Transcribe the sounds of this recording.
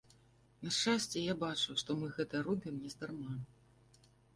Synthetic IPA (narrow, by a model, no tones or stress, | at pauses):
nɐʂt͡ʂasʲt͡sʲɛjabat͡ʂuwʂt̪ɔmɨɣɛt̪ɐɾud̪ʲɨmnʲɛzd̪armam